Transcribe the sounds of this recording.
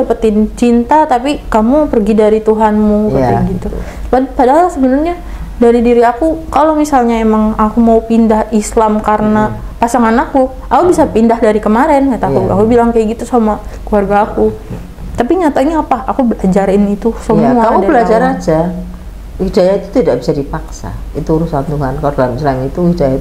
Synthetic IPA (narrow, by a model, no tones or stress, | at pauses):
apət̪ɪnt͡ʃint̪at̪apikamupərɡidaɾit̪uɦanmupət̪ɪɡit̪uppadaɦalsəbənərɲa | daɾidiɾiakukalomisalɲaemaŋakumaupindahislamkaɾəna | pasaŋanaku | akubisapindahdaɾikəmaɾɛnɲat̪akua̰kubilaŋkajaɡit̪usamakluarɡaːku | t̪apiɲat̪aɲaːpaakubəlad͡ʒaɾɪnit̪usəmuaakudabəlad͡ʒaɾad͡ʒa | wihdajait̪u̥t̪idaʔbisadipaksa̰it̪uɾusant̪uɦankaɾlamislanit̪uwihdaja